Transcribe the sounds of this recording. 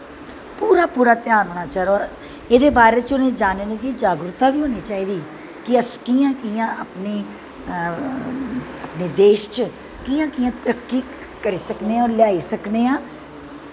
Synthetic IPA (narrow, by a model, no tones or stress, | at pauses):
puːɾaːpuːɾaːt̪jaːnɦoːɽ̃aːt͡ʃaɾɔːɾ | eːd̪eːbaːɾeːt͡ʃʊnẽːd͡ʒaːnneːd̪iːd͡ʒaːɡɾʊt̪aːʋiːɦoːniːt͡ʃaːiːd̪iː | kɪəskijãːkijãːəpneː | əpneːd̪eːʃt͡ʃə | kiːjãːkijãːt̪ɾəkːiː | kəɾiːsəkneːaɔːɾlɪjaːiːsəkneːãː